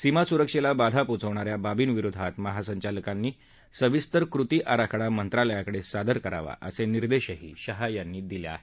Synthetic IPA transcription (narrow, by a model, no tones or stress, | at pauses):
simasuɾəkʂelabad̪ʱaput͡səʋɳaɾjababiːnʋiɾud̪ʱat̪məɦasəɲt͡ɕaləkanːiː | səʋist̪əɾkɾut̪iːʔaɾakʰɽamənt̪ɾaləjakəɽesad̪əɾkəɾa̰ʋa̰ʔə̰seniɾd̪eɕəɦḭːɕəɦajanːiːd̪iljaa̰ɦe